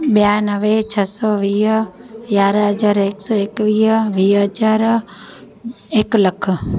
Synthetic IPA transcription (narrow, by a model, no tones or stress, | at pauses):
ɓjanəʋet͡ʃʰəsoʋiːɦjaːɾɦəd͡ʒaːɾeksoeːkʋiːɦʋiːɦəd͡ʒaɾ | ekləkʰ